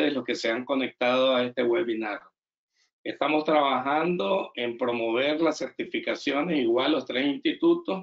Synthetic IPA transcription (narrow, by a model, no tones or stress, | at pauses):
eslo̞ske̞se̞aŋko̞nek̚t̪að̞oae̞st̪e̞ɣwelβinaɾ | e̞st̪amo̞st̪ɾaβaxand̪o̞empɾo̞mo̞β̞e̞ɾlasːe̞ɾt̪ifikasjo̞ne̞siɣwalːo̞st̪ɾesinst̪it̪ut̪o̞s